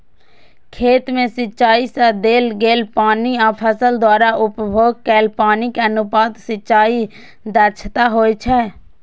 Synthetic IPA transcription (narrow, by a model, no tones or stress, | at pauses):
kʰeːt̪mẽsɪtːt͡ʃaːisəd̪eːlɡeːlpaːniɔːpʰəsəld̪waːɾaʔʊpbʱoːɡ̚kɛːlpaːnikeənʊpaːd̪sɪʃaːi | d̪əɾt͡ʃʰt̪aɦoːet͡ʃʰɛ